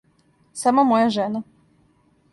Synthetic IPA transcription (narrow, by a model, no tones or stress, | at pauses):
samomojaʒena